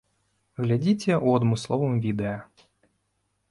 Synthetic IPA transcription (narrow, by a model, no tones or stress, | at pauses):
ɣlʲad͡zʲit͡sʲɛʔuɐd̪mɨslˠɔvɨmvʲid̪ɛjɐ